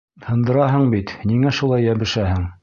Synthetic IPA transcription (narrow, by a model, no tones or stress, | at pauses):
hɤ̆nd̪ɤ̆ɾɑɦɤɴbit̪niŋæʃulˠɑjːæβɘ̆ʃæhɘŋ